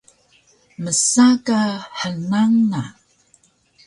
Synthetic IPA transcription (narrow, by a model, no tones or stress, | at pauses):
məsakaħənaŋna